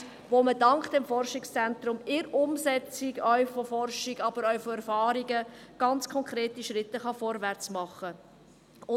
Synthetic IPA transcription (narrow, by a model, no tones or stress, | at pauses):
ʋomədɑŋkd̥ɛmfɔrʃɪkst͡sɛnt̪ɾʊmɪɾʊmsɛt͡siɡœʏfofɔrʃiɡɑb̥əɾœʏfoɛɾfɑːɾiɡəɡ̥ɑnt͡skʰɔŋkʰɾeːtiʃɾɪtːəχɑfɔɾvɛɾt͡smɑχːə | ʊ